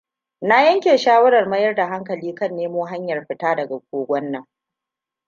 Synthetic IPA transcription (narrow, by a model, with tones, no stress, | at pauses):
na˦jɐ˦ŋkʲeː˨ʃaː˦wɐ˦ɽɐ˨rmɐ˦jɐ˦rda˨ɦa˦ŋkɐ˨liː˦kɐ˦˨nːeː˦moː˦ɦa˦ɲjɐ˨rɸɪ˦taː˦dɐ˨ɡa˨ɡʷoː˦ɡʷɔ˦nːɐ˨ŋ